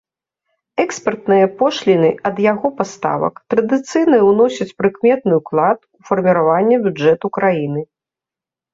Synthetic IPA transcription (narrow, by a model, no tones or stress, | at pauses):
ɛkspɐrt̪nɨjɐpɔʂlʲinɨɐd̪jaɣɔpast̪a̰vɐ̰kt̪ɾɐd̪ɨt̪sɨjnɐwnɔsʲɐt͡sʲpɾɨkmʲɛt̪̚nɨuklˠat̪ufɐrmʲiɾavanʲːɛbʲud͡ʐɛt̪ukɾajinɨ